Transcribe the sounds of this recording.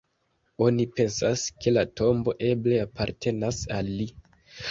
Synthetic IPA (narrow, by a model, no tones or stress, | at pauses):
o̞nipe̞nsaske̞lato̞mbo̞ʔe̞ble̞apʰaɾtʰe̞nasalːi